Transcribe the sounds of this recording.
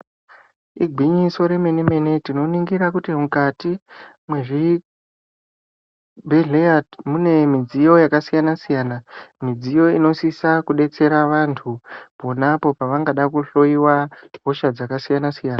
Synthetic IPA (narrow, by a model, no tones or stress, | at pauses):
iɡʱwiɲiso̞ɾe̞me̞neme̞ne̞tino̞niŋɡiɾakutimukati | mweʐi | bʱeɮeadmune̞mid͡zijo̞jakasijanasijaːnamid͡zijo̞ino̞sisakuɗe̞t͡se̞ɾaʋantʰupo̞napo̞paʋaŋɡaɗakuɬo̞iwaɦo̞ʃad͡zakasijanasijaːna